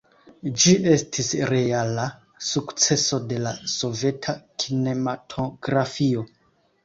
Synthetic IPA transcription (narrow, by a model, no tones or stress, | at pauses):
d͡ʒiʔe̞stʰisɾe̞ala | sukt͡se̞so̞de̞laso̞ve̞tʰakʰine̞matʰoɡɾafio̞